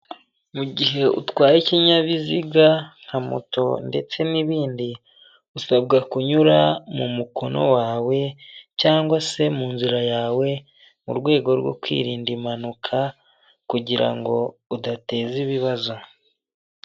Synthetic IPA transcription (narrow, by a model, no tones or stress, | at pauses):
muɟiɦe̞ṵtwaːjiciɲaβiziɡaŋ̥hamṵto̞̰nde̞t͡se̞niβiːndi | usabɡakuɲuɾamumuko̞nʔo̞̰waːwe̞caːŋɡwase̞muːnziɾajaːwe̞ | mṵɾɡwe̞ːɡo̞ɾɡo̰kwḭːɾiːndimanukʰa | kuɟiɾa̰ŋɡo̞udate̞ːziβiβazo̞